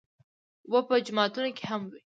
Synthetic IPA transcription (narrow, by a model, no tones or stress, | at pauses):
wəpəd͡ʒʊmɑt̪unokeɦamwi